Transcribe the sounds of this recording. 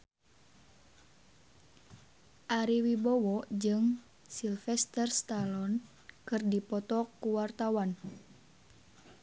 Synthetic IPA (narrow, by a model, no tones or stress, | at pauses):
ʔaɾiwibɔwɔd͡ʒɨŋ | silfɛst̪ɛrst̪alɔn | kɨrdipɔt̪ɔkːuwart̪awan